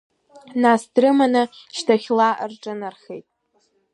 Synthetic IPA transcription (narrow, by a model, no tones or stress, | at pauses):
nasdrɨmanɨʃtʰaχʲla̰rʈ͡ʂʼɨnarχejtʼ